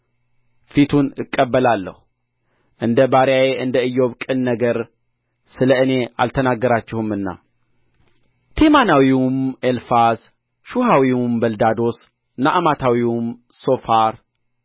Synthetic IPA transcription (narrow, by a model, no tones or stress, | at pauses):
fit̪ʰunɨkʼːəbːəlalːə̰hu | ʔɨnd̪əbaɾjajeʔɨnd̪əɨjːo̞βkʼɨnːəɡəɾ | sɨləɨne̞a̰lt̪ʰənaɡːəɾat͡ʃːɪhɨmɨnːa̰ | t̪ʰemanawiumelfas | ʃuɦawimbəld̪ad̪o̞s | naʔamat̪ʰawiumso̞faɾ